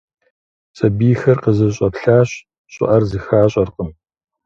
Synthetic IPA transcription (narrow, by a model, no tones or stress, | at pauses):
sʼɐbiːxɐrqəzɨɕʼɐpɬaːɕ | ɕʼɪ̰ʔɐrzɨxaːɕʼɐrqəm